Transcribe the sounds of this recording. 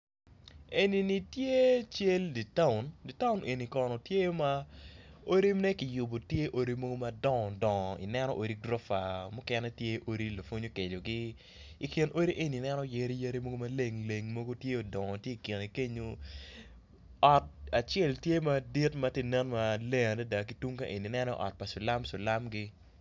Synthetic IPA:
e˨ni˨ni˨tje˦t͡ʃe˦ldi˨ta˦ʊ˨ndi˨ta˦ʊ˦nʔe˨ni˨kɔ˨nɔ˨tje˦jo˦ma˦ | o˦ɾi˦mnɛ˦kɪ˨jʊ˨bo˨tje˦ʔo˦ɾi˦mo˦ɡo˦ma˨dɔ˦ŋɔ˨dɔ˨ŋɔ˨ḭ˨nɛ˦nɔ̰˦ʔo˨ɾi˦ɡɾɔ˦fa˨mʊ˦kɛ˦nɛ˦tje˦ʔo˦ɾi˦la˨fo˦ɲo˦ke˨do˨ɡi˦ | i˨kɪ˨nʔo˦ɾi˦ʔe˨ni˨nɛ˦nɔ˦je˨ɾi˦je˦ɾi˦mo˦ɡo˦ma˨le˦˨ŋle˨ŋmo˦ɡo˦tje˦o˨dɔ˨ŋɔ˨tje˦i˨kɪ˨ni˨ke˦ɲo˦ | ɔ˨t̚a˨t͡ʃɛ˦˨ltje˦ma˦di˦tma˨˦tje˦˨nɛ˦nma˦le˦ŋa˨dɛ˦da˨ki˨˦tu˦ŋka˦ʔe˨ni˨nɛ˦nɔ̰˦ʔɔ̰˨t̚pa˨sʊ˨la˦mso˨la˦mɡɪ˦

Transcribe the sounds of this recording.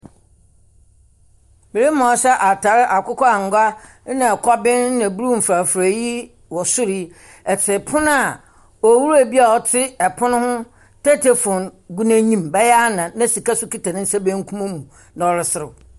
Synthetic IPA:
me˨ɾi˦m˦ɔ̃˨˦ɕɛ˦ʔa˨tʰa˨ɾɪ˦ʔa˨kʊ˦kɔ˦a˨ŋ˨ɡʷa˦ | nã˨kʰɔ˦bɪ̃˦n˦nã˨bu˦ɾu˦m̩˨fɾa˨fɾa˨ji˦ | wɔ˨sʊ˦ɾi˦ | ɛ˨tʰɪ˨pʰʊ̃˦n˦a˨ | ɔ˨wu˦ɾu˦a˨bi˦a˨ɔ˨tʰɪ˦ɛ˨pʰʊ˦nʊ̃˦hʊ̃˦ | tʰɛ˦tʰe˨fɔ̃˨nɡu˦næ̃˦ɲĩ˦mbɛ˦jnã˨nã˦si˨ka˦sʊ˦ki˦tʰa˨nɪ̃˦n̩˦sa˦be˦ŋ̩˦kʰu˦mã˦mũ˨ | nã˨wɔ˨ɾɪ˨sɪ˦ɾɪ˨

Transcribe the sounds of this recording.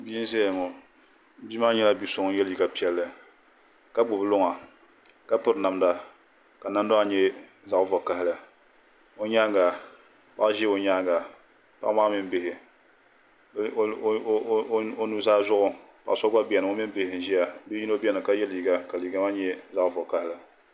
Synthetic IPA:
bi˦n˦ze˦˨ŋɔ˨˦ | bi˦ma˦ɲɛ˦la˦bi˨˦so˨ŋ˦jɛ˦lji˨ɡa˨pi˦ɛ˦lːɨ˨ | ka˦ɡ͡bʊ˨blʊ˦ŋa˨ | ka˦pʊ˦ɾna˨mda˦ | ka˨na˦n˦do˦a˨ɲɛ˦ | za˨ʔvʊ˨ka˨ɦɪ˦lɨ˨ | o˦ɲa˦ɡa˨ | pa˦ʔʒi˦o˨ɲaː˦ɡa˨ | pa˦ʔmaː˦mɪ˦n˦bɪ˦˨hɪ˨˦ | o˦nu˦zaː˦zʊ˦ʔʊ˨ | pa̰˨ʔsɔ˦a˦bi˨ɛ˨nɨ˨ŋo˦mɪ˦n˦bɪ˦hɪ˨n̩˨ʒi˦ja˨bi˦ji˦no˦bɛ˦nɨ˨ka˦jɛ˦lji˨ɡa˦ka˨li˨ɡa˦ma˦ɲɛ˦za˦˨ʔvʊ˨ka˦hɪ˦lɨ˨

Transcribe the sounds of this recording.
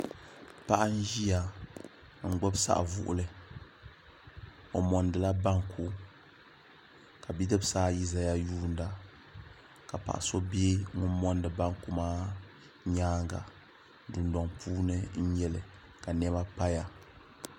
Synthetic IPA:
pa˦ʔa˦n̩˦ʒi˦ja˨ | ŋ̩˦ɡ͡bɔ˦bsa̰˦ʔvʊ̰˦ʔʊ̰˦lɨ˨ | o˨mɔ˨ndɨ˨la˦ba˦ŋkʰu˦ | ka˨bi˦dɨ˦bsaː˦ji˦za˦ja˦juː˦˨nda˨ | ka˨pa̰˨ʔa̰˨so˦beː˦ŋʊ˦mɔ˦ndɨ˨ba˦ŋku˦maː˦ | ɲaː˦ŋɡa̰˨ | du˨ndɔ˨ŋpʰuː˦nɨ˦n̩˦ɲɛ˦lɨ˨ | ka˨nɛ˦ba˦pa˦ja˨

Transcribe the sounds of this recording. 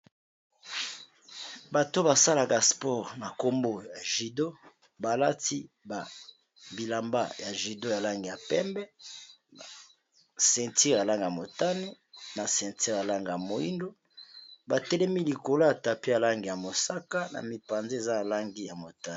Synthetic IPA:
ba˨to˦ba˨sa˦la˨ka˨spɔ˦˨ʁna˨ko˦mbo˦ja˨ʒi˨do˦ | ba˨la˦ti˦ | ba˨ | bi˨la˨mba̰˦ja˨ʒi˨do˦ja˨la˦ŋɡi˨ja˨pɛ˦mbɛ˦˨ | sɛ̃˨nti˦ʁja˨la˦ŋɡa˨mo˨ta˦ni˦ | na˨sɛ̃˨nti˦ʁja˨la˦ŋɡa˨a˨mo˨i˦ndo˦ | ba˨tɛ˦lɛ˦mi˦li˨ko˨lo˦a˨ta˨pi˦ja˨la˦ŋɡi˨ja˨mo˨sa˦ka˦na̰˨mi˨pa˨nze˦e˨za˦a˨la˦ŋɡi˦ja˨mo˨ta˦˨

